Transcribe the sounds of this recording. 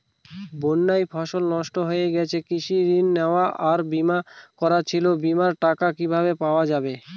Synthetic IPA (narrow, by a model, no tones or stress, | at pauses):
bonːajfʰaʃolnɔʃʈoɦojeɡɛt͡ɕʰekiʃiɾinːeoaʔaɾbimakɔɾat͡ɕʰilobimaɾʈakakibʱabepaoad͡ʑabe